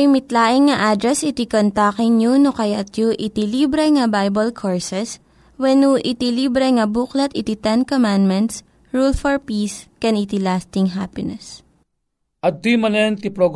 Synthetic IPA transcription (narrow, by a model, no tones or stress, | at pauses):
ɾimɪt̪laːʔɪŋːɐʔad̪ɾɛsɪt̪ikont̪akɪŋɲunokɐjat̪juʔɪt̪ɪlibɾɛŋɐbajbɐlkʰoɹsɛs | wɛnuʔɪt̪ilibɾɛŋɐbuklɐt̪ɪt̪it̪ɛnkomand̪mɛnt̪s | ɹulfɔɹpiːskɛnɪt̪ilast̪ɪŋɦaːpɪnɛs | ʔɐt̪imɐnɛnt̪ipɾoɡ